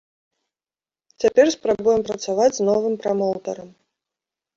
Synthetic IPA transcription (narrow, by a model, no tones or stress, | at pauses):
t͡sʲapʲɛrspɾabujɛmpɾɐt̪savad͡zʲznɔvɨmpɾamɔwt̪ɐɾɐm